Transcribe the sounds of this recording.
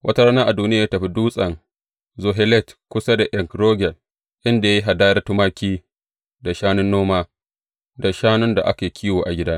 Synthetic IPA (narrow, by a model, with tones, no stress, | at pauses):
wʔɐ˦ta˦ɾaː˦naː˦ʔa˨duː˦nɪ˦a˨jaː˦tɐ˨ɸi˦duː˦sʼɐ˨n | zo˨ɦɛ˦lɛ˦˨tkʷʊ˦sa˦da˨ʔɛ˨ŋkɾoː˦ɡʲɛ˨l | ʔɪ˦nda˨ja˦ji˦ɦa˨daː˦jɐ˦tʊ˦maː˦kʲiː˦ | da˨ʃaː˦nʊ˦nːoː˦maː˦ | da˨ʃaː˦nʊ˦nda˨ʔa̰˦keː˨jkʲʰiː˦woː˨ʔa˨ɡʲɪ˦daː˦